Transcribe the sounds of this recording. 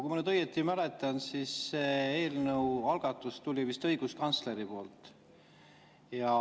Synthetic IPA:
kuimɑnyd̪ɤjːet̪ːˑimælet̪ːˑɑnsisːee̞ːlnəwɑlɡ̥ɑt̪ːˑust̪ulʲivist̪ɤjɡ̥uskɑnt̪sle̞ɾipo̞ːlt̪ˑ | jɑ

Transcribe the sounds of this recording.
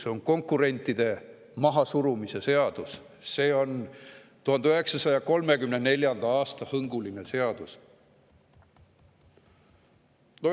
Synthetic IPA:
so̞ŋko̞ŋkuɾe̞nʲt̪ːˑid̪̥e̞ | mɑɦɑsuɾumise̞se̞ɑd̪̥us | se̞ːo̞n | t̪uhɑnd̪yɦe̞ksɑsɑjɑko̞lme̞kymnene̞lʲjɑnd̪̥ɑɑːst̪ɑhɤŋɡ̥ulinese̞ɑd̪̥us | no

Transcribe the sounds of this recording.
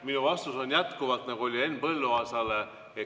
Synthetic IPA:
minuvɑst̪uso̞nʲjæt̪kuvɑt̪nɑɡuo̞lʲie̞nːbɤlːuɑsɑle | e

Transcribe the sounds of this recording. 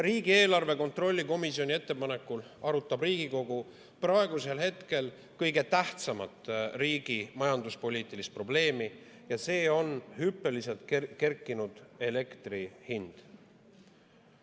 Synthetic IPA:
riːɡ̥ie̞ːlɑrve̞ko̞nt̪ro̞lʲːiko̞misio̞nʲie̞t̪ːe̞pɑne̞kːul | ɑɾut̪ˑːɑbriːɡ̥iko̞ɡu | prɑeɡuse̞lhe̞t̪ke̞l | kɤjɡe̞t̪æht̪sɑmɑt̪ˑriːɡ̥imɑjɑnd̪uspo̞lʲiːt̪ˑilist̪̚pro̞ble̞ːmi | jɑse̞ːo̞nhypːˑe̞lise̞lt̪̚kke̞rkːˑinud̪̥e̞le̞kt̪rihind̪̥

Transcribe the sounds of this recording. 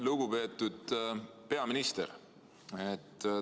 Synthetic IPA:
luɡ̥upe̞ːt̪ːˑud̪̥pe̞ɑminist̪ḛr | et̪ː

